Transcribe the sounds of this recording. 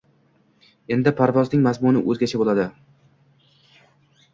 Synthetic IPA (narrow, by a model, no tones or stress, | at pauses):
e̞nd̪ɪpʰaɾvɒznɪŋmazmʊnɪ̰ʔɵzɡʲat͡ʃʰabolad̪ɪ